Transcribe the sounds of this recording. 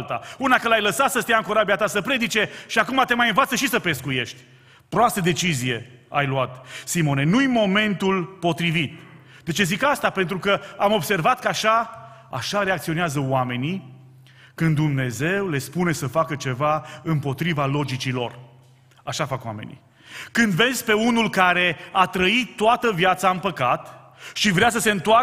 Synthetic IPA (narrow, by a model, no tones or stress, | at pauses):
t̪a̰unakəlajləsat̪səst̪ejaɨŋkoɾabiat̪asəpɾe̞d̪it͡ʃe̞ʃiakumat̪e̞majɨnvat̪səʃisəpe̞skuje̞ʃt̪ʲ | pɾoast̪əd̪e̞t͡ʃizije̞a̰jluat̪simo̞ne̞nujimo̞me̞nt̪ulpo̞t̪ɾivit̪̚ | d̪e̞t͡ʃe̞zikast̪ape̞nt̪ɾukəamo̞bse̞rvat̪kəaʃa | a̰ʃaɾeakt̪sio̞neazəoame̞ni | kɨnd̪umne̞ze̞wle̞spune̞səfakət͡ʃe̞vaɨmpo̞t̪ɾivalo̞d͡ʒit͡ʃilo̞̰r | aʃafakwa̰me̞̰nḭ | kɨnd̪ve̞nsʲpe̞unulkaɾe̞at̪ɾəitt̪ːoat̪əvjat̪saɨmpəkat̪ | ʃivɾeas̬əse̞ɨnt̪oa